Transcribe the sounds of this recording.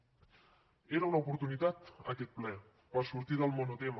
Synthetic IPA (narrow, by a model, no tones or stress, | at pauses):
eɾaunaopoɾt̪unit̪at̪a̰ket̪̚ple | pasuɾt̪iðalmonot̪em